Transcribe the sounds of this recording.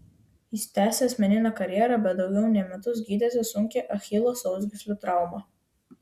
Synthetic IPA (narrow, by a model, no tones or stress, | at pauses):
ɪsʲt̪ʲæːsʲeɐsʲmʲɛnʲɪnɑkɐɾʲjɛɾɑbʲɛt̪̚d̪ɒʊɡʲɛʊnʲɛmʲɛt̪ʊz̬ɡʲiːd̪ʲɛsʲɪsʊŋʲkʲeʔɐxʲɪːlˠoːsɔʊzʲɡʲɪsʲlʲʊt̪ɾɑˑʊmɑ